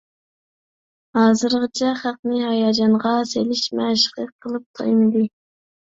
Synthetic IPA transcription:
hɑːzɨɾʁət͡ʃʰɛχæq̚nɨɦɑjɑːd͡ʒɑɴʁɑselɪʃmɛʃqɨqʰːəlˠɨp̚t̪ʰɑ̰jmɨd̪ɨ

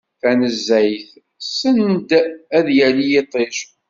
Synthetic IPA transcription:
θænəzːæjθ | sənd̪æðjælijet̪ˤːeʃ

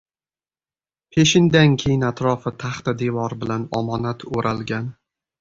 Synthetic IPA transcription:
pʰe̞ʃɪnd̪ankʲʰejɪnat̪ɾɒfɪt̪ʰaχt̪ad̪evɒɾbɪlanɒmɒnat̪ʰoɾʔalɡʲan

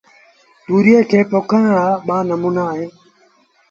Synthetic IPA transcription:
t̪uːɾieːkʰeːpoːkʰəɳɽaːɓaːnəmuːnaːɦẽː

